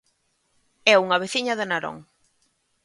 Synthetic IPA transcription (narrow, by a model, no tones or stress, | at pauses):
ɛuŋɐβ̞eθiɲɐðɪnaɾo̰ŋ